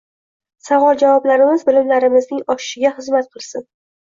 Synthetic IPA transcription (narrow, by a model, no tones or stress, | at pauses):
savɒlˠd͡ʒavɒblaɾɪmɪzbɪlɪmlaɾɪmɪznɪŋɒʃɪ̥ʃɪɡʲaχɨzmat̪̚qʰɨlˠsɪn